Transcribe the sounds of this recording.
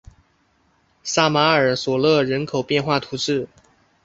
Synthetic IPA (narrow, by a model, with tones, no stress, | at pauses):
sa˥ma˧˥ə˞˨˩swɔ˨˩lɤ˥˩ɻə˧˥nkʰo˨˩ʊpjɛ˥˧nxwa˥˩t̪ʰu˧˥ʈ͡ʂɻ̩˥˩